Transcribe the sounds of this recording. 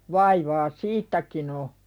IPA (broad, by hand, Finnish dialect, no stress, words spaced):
ʋɑiʋɑː siːtːækin o